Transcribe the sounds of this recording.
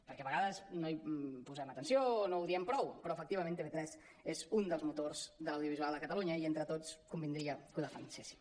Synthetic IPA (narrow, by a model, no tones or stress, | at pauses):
pəɾkɛβəɣaðəsnoipuzɛmət̪ənsionouðiɛmpɾɔwpɾɔəfək̚t̪iβəmẽnt̪eβet̪ɾɛz | ezund̪əlˠzmut̪orzðələwðjuβizualˠd̪əkət̪əluɲəient̪ɾət̪ot͡skumbind̪ɾiəkuðəfansesi̥